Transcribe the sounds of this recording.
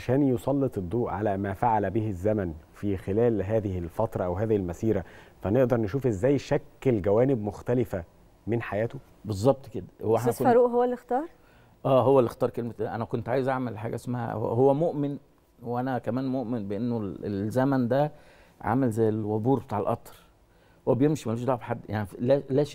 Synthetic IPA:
ʕaʃæːnjosˤɑlːet̪ˤed̪ˤːuːʔʕa̰læmæːfaʕalbehezːæmænfiːxelæːlɦæːðɪhɪlfɑt̪ɾˤɑʔæwɦæːðihilmæsiːɾæfæneʔd̪ɑɾˤneʃuːfʔezːæːjʃækːelɡæwæːnɪb̚moxt̪ælɪfæ | menħajæːt̪o | bezˤːɑb̚t̪ˤked̪æweħnæfɑɾuːʔɦowːælːixt̪ɑːɾˤ | ʔæːɦowːælːext̪ɑːɾˤkelmæt̪ːʔænækont̪ʕaːjezʔaʕmelħaːɡæʔesmæhæ̰hhowːæmoʔmen | wʔænækæmæːnmoʔmenbeʔenːolelzæmænd̪æ | ʕa̰mælzæjːelwæbuːɾbet̪aːʕelʔɑt̪ˤɾˤ | webjemʃimæluʃd̪ˤɑʕbħad̪ːja̰ʕnilæːlæːʃ

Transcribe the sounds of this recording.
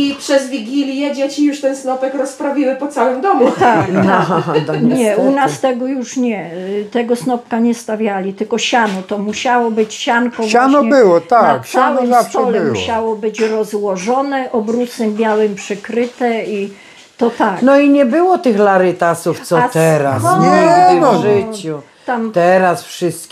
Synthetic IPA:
ipʂɛzvʲiɡʲilʲjɛd͡ʑet͡ɕijuʂt̪ɛnsnɔpɛkɾɔspɾavʲimɘpɔt̪sawɘmd̪ɔmut̪akaɦad̪aɲɲɛunast̪ɛɡɔjuʂɲɛt̪ɛɡɔsnɔp̚kaɲɛst̪avʲjalʲit̪ɘlkɔɕanɔt̪ɔmuɕawɔbɘt͡ɕɕankɔvwanɔɲɛbɪwɔt̪anaksawɪmst̪ɔlɛmuɕawɔbɘt͡ɕɾɔzwɔʐɔnɛʔɔbɾusɛmbʲjawɛmpʂɘkɾɘt̪ɛi | t̪ɔt̪aknɔiɲɛbɘwɔt̪ɘxlaɾɪt̪asuft̪sɔt̪ɛɾasɔn | ʐɪt͡ɕu | amt̪ɛɾasfʂɘst̪kʲ

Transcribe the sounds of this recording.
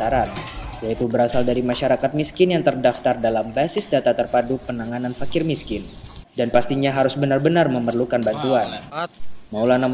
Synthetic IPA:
aɾat̪̚jait̪ubəɾasaldaɾimaʃaɾakat̪̚miskɪnjaŋt̪ərdaft̪ardalambasɪsdat̪at̪ərpadupənaŋananfakɪrmiskɪn | danpast̪iɲaɦaɾʊsbənarbənarməmərlukanbant̪uan | maulana

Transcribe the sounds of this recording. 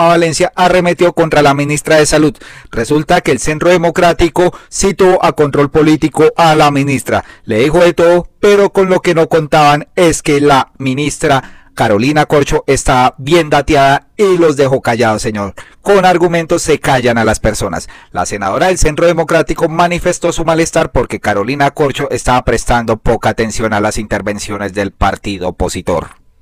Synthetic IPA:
aβale̞nsjaʔare̞me̞t̪jo̞ko̞nt̪ɾalamĩnist̪ɾaðe̞salud̪re̞sult̪ake̞ːlse̞nt̪ɾo̞ðe̞mo̞kɾat̪iko̞sit̪o̞ʔako̞nt̪ɾo̞lpo̞lit̪iko̞ʔalaminist̪ɾa̰le̞ðixo̞ðe̞t̪o̞ðope̞ɾo̞ko̞nlo̞ke̞no̞ko̞nt̪aβane̞ske̞laminist̪ɾakaɾo̞linako̞ɾt͡ʃo̞ʔe̞st̪aβaβje̞nd̪at̪jaðailo̞zd̪e̞xo̞kaʝaðoseɲo̞ɾko̞naɾɣumẽ̞nt̪o̞sːe̞kaʝanalaspe̞ɾso̞na̰sla̰se̞na̰ð̞o̞ɾaðe̞lse̞nt̪ɾo̞ðe̞mo̞kɾat̪iko̞manife̞st̪o̞sumale̞st̪aɾpo̞ɾke̞kaɾo̞linako̞ɾt͡ʃo̞ʔe̞st̪aβapɾe̞st̪and̪o̞po̞kaːt̪e̞nsjo̞nalasint̪e̞ɾbe̞nsjo̞ne̞zd̪e̞lpaɾt̪iðo̞opo̞sit̪o̞̰ɾ

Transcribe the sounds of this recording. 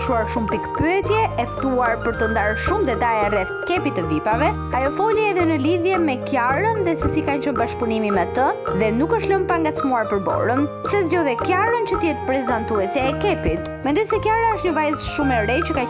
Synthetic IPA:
ʃuaɾʃumpikpyɛt̪jɛɛft̪uaɾpəɾt̪ənd̪aɾʃumd̪ɛt̪ajarɛ | kɛpit̪ːəvipavɛ | ajɔfɔliɛðɛnəliðjɛmɛkjaɾənðɛsɛsikant͡ɕɔnbaʃpunimimɛt̪əðɛnukəʃt̪ləmpaŋɡasmuaɾpəɾbɔ̰ɾənsɛzjɔðɛkjaɾənt͡ɕət̪əjɛt̪pɾɛzant̪uɛsɛɛkɛpit̪ | mɛnd̪ɔjsɛkjaɾaəʃt̪ɲəvajəzʃumɛɾɛt͡ɕəka

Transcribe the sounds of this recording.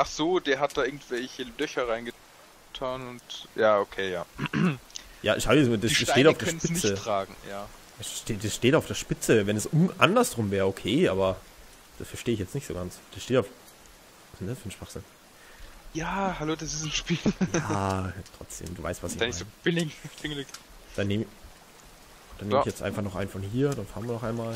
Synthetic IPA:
ʔaχz̥oːd̥eːɐɦat̚d̥aːʔɪɐɡŋ̩tv̥ɛlçəlœçɐʁaɪnɡə | tʰaːnʊntjaːʔokʰeːjaː | ja̰ːʃaʊəsmdasiɛsteːɾafdeɐɛʃnpɪt͡sətʁ̥aːɡŋ̩jḁː | ɛsʃteːd̥asʃteːtaʊfd̥eːɐʃpɪt͡səvɛnɛsʔʊnʔandɐsʁʊmvɛːɐʁəokʰeːʔaːbɐ | d̥asfɛɐʃteːɪçjɛt͡stnɪçtz̥o̰ːɡansd̥asʃteːtaʊf | snasfyːnʃv̥aχz̥ɪn | jaːhaloːdasɪsnʃpiːljaːtʁ̥ɔ̰t͡sd̥ḛːmduːva̰ɪstv̥asɪçanɪaɪb̥ɪlɪɡb̥ɪŋlɪkd̥aneːmɪ | d̥anemɪçjɛt͡stʔa̰ɪnfaχnɔχʔa̰ɪnfɔnhiːɐd̥anfaːɐnviɐnɔχaɪnmaːl

